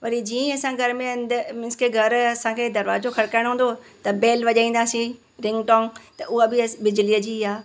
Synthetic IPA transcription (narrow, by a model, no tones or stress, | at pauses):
ʋɐɾid͡ʑiːẽɐsãɡʱɐɾmẽɐ̃nd̪mɪ̃nskeɡʱɐɾɐsãkʰeːd̪ɐɾʋa̰ːzokʰɐɾkaːɪɽ̃ɦũːn̆d̪ot̪ɐbeːlʋɐʄaːĩːn̆d̪aːsĩ | ɾɪ̃ŋɡʈɔ̃ːŋt̪ɐʔʊɦəbɪbɪd͡ʑliəd͡ʑiːɦaː